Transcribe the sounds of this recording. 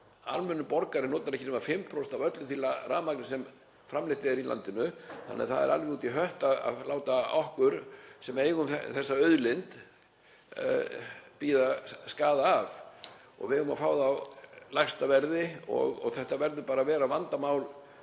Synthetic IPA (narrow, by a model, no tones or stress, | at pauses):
a̰lmɛnːʏpɔɾkaɾɪnɔːt̪aɾɛhcɪnʏmafɪmpʰɾost̪avœt̪lʏθilːaraːmaknɪsɛm | fɾamlɪht̪ɪɛɛɾila̰nt̪ɪnʏθanːɛ̰ðθa̰ðɛ̰ɾa̰lvɪuːt̪iɦœht̪aða̰ðlaːwt̪aɔhkʏɾsɛmeːjɣʏmθθɛsːaœɥðlɪnt̪ | piːðaskaːðaːv | ɔ̰ɣvɪhʏma̰faːwðawlajxst̪avɛɾðɪɔ̰ɣɔ̰ɣθɛht̪avɛɾðʏpaːɾavɛːɾavant̪amaːwl